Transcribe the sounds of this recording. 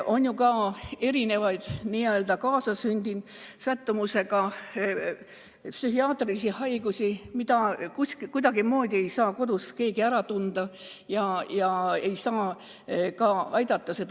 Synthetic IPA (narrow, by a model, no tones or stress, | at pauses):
ʔo̞njukɑːe̞ɾine̞vɑjd̪̥niːøld̪ɑkɑːsɑsynʲd̪insæt̪ːumuse̞ɡ̥ɑ | psyhiɑːt̪ˑrisihɑjɡ̥usʲimid̪ɑkuskikujd̪ɑɡ̥imo̞ːd̪ʲie̞jsɑːko̞d̪̥uske̞ːɡiæɾɑt̪und̪̥ɑ | jɑjɑe̞jsɑː | kɑɑjd̪̥ɑt̪ːˑɑse̞d̪